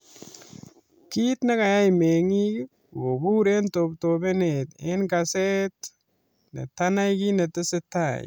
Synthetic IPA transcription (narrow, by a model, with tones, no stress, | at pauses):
ki˦tne˦ka˨ja˦jme˨ŋi˦˨ | ɡo˨bu˦ɾe˦nto˨ptobe˦ne˨te˦nka˨se˦t | nḛ˨tana˦jki˦ne˨tɪ˦sɪ˦ta˨j